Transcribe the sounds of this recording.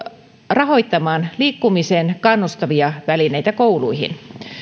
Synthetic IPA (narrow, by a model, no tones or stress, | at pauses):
rɑɦo̞jt̪ːɑmɑːnliːkːumiseːnkɑnːust̪ɑʋiɑʋælinejt̪ækoulṵjɦḭn